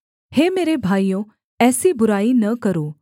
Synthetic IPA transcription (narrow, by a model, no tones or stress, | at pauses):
heːmeːɾebʱaːijõ | ɛːsibʊɾaːinɐkəɾoː